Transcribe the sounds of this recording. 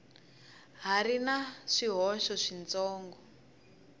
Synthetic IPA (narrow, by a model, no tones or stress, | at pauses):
ɦarinaʂiɦɔʃɔʂint͡sɔːŋɡɔ